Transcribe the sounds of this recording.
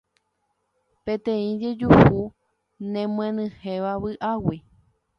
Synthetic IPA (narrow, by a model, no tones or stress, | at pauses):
pẽt̪ẽĩd͡ʒe̞d͡ʒuhu | nẽmw̃ẽnɨ̃hẽʋaβɨʔawi